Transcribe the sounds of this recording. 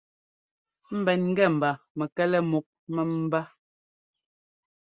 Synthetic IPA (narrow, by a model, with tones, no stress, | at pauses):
m̩˦bɛ˨nŋ̩˦ɡɛ˦˨m̩˨ba˨mɛ˨kɛ˦lɛ˦mu˨k̚mɛ˨m̩˦ba˦